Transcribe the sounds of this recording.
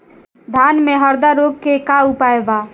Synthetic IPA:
d̪ʱanmeɦəɾd̪aɾoɡ̚kekaupaeba

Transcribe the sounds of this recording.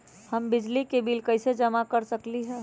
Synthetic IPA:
hɐmbɪd͡ʒlikebiːlkɐɪsed͡ʒɐmakɐɾsəkliɦɛ̃ː

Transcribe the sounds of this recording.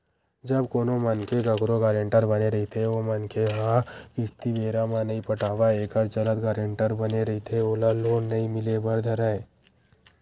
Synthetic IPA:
d͡ʒɐbkoːnomɐnkeɡɐkɾoɡaːɾẽɳʈəɾbɐneɾɐɦit̪ʰeomɐnkeɦakɪst̪ibeːɾamãnɐĩpɐʈʰaːʋaeːkəɾt͡ʃɐlət̪ɡaːɾẽɳʈəɾbɐneɾɐɦit̪ʰeoːlaloːnːɐĩmɪlebɐɾd̪ʱɐɾaeː

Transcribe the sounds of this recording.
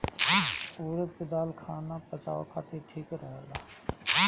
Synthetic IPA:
uːɾət̪ked̪aːlkʰaːnapɐt͡ʃa̰ːʋa̰kʰaːt̪eʈʰiːkɾəɦelaː

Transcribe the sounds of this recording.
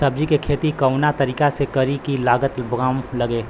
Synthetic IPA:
sɐb̚d͡ʒikekʰeːt̪ikɐwnat̪ɐɾiːkasekɐɾikilaːɡət̪bɡaːmlɐɡeː

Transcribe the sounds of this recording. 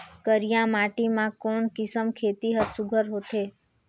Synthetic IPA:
kəɾijãmaʈimãkoɳkɪsəmkʰet̪iɦəsuɡʱəɾɦot̪ʰe

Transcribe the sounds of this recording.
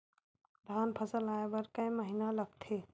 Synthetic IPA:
ɾaːnpʰəsəlaːebɐɾkə̃j̃məɦinalɐɡ̚t̪ʰeː

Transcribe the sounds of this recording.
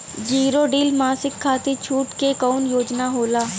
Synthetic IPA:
d͡ʒiːɾoɖiːlmaːsɪkʰːaːt̪et͡ʃʰuːʈkekɔːnjoːd͡ʒnaɦoːlaː

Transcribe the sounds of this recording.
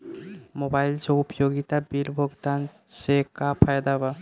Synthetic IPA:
mobajlt͡ʃoupjoɡit̪abiɾbʱoɡd̪an | ʃekapʰajd̪aba

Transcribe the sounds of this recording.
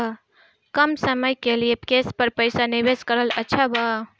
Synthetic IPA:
kəmsəməjkelijepkespəɾpəjsaniʋeskəɾələtːʃʰaba

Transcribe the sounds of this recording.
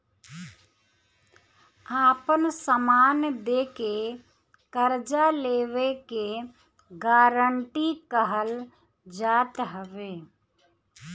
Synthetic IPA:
aːpənsəmaːnd̪eːke | kəɾd͡ʒaleːʋeke | ɡaːɾəɳʈikəɦəl | d͡ʒaːt̪ɦəʋeː

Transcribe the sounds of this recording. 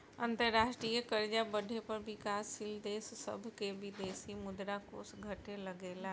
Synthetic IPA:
ɐ̃nt̪əɾːaːʃʈɾiːəkəɾd͡ʒabɐɖʱepɐɾbɪkaːsːɪld̪eːsːɐ̰bʱkebʱid̪eːsimʊd̪ɾako̰ːsɡʱɐʈelɐɡeːlaː

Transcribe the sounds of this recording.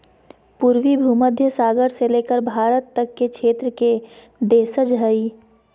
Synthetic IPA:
puːɾwibʱuːməd̪ʱjəsaːɡəɾseleːkəɾbʱaːɾət̪ːəkːekʃʰeːt̪ɾəke | d̪eːsəd͡ʒɦəi

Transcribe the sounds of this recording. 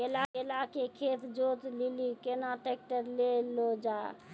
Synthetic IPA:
elaelakekʰet̪ʰd͡ʒot̪lilikenaʈek̚ʈəɾlelod͡ʒa

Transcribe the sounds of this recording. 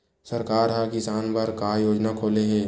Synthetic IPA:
səɾkaːɾɦakɪsaːnpɐɾkaːjoːd͡ʒnakʰoːleɦɛː

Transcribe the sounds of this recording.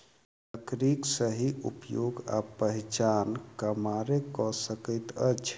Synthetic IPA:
əkɾiksəɦiʔṵpjoɡa̰pəɦit͡ʃankəmaɾekɔsəkəɪt̪ə̰t͡ʃʰ

